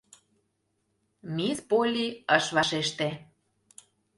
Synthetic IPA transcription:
mispolʲiəʃβɑʃeʃt̪e

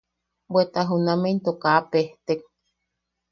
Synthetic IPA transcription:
bwet̪aɦunament̪okaʔːpeht̪ek̚

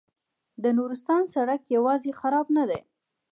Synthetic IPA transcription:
d̪ənuɾɪst̪ɑnsaɽakjawɑzexaɾɑbnad̪aj

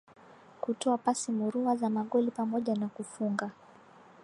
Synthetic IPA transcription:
kutɔapasimuɾuazamaɠɔlipamɔʄanakufuŋɡa

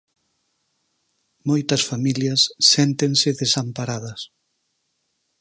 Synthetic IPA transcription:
mojt̪ɐsfamiljɐsːɛnt̪eŋsɪðesampaɾaðɐs

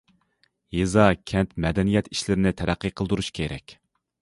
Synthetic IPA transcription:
jezɑkʲʰɛnt̪mɛd̪ɛnijɛt̪ʰiʃlɪɾɪnɪt̪ʰæɾæqʰːɨqʰəlˠd̪uɾuʃkʲʰeɾɛ̰kʲ

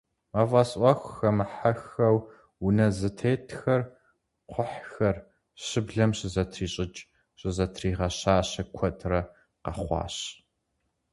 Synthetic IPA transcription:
mavɐsʔʷɑxʷxɐmħaxɐw | unɐzɨtʰeːtʰxɐr | qʷʰʊħxɐr | ɕɪbɮɐmɕɪzɐtʰriːɕʼɪd͡ʒ | ɕʼɪzɐtʰriːʁɐɕaːɕɐkʷʰɔtʰrɐ | qɐχʷɑ̰ːɕ

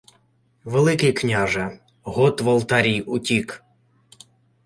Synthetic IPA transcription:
ʋelˠɪkɪjknʲaʒɐ | ɦɔt̪ʋɐlˠt̪aɾʲijʊtʲik

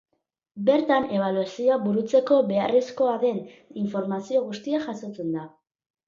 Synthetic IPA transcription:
be̞ɾt̪ane̞β̞aluasioaβuɾut͡se̞ko̞βe̞aresko̞aðe̞niɱfo̞ɾmasio̞ɣust̪iaʝaso̞t͡se̞nd̪a

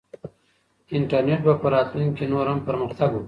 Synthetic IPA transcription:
ɪɳʈaɾneʈ̚bapəɾɑːt̪luŋkenoɾampəɾməxt̪aɡu

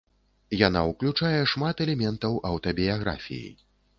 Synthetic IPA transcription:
jan̪a̰uklʲut͡ʂajɛʂmat̪ɛlʲɛmʲɛnt̪ɐwʔɐwt̪ɐbʲijaɣɾa̰fʲḭjḭj

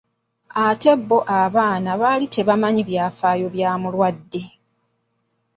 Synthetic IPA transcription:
ate̞bːo̞ʔaβaːnaβalitʰe̞βamaɲiβjaːfaːjo̞βjaːmulwadːe̞

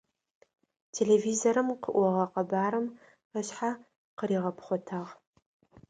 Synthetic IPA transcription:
tʰeːlevizoɾɨmqəʔʷɔʁɐqɐbaːɾɨm | əɕħa | qəɾiːʁɐpχʷɔtʰaːʁ

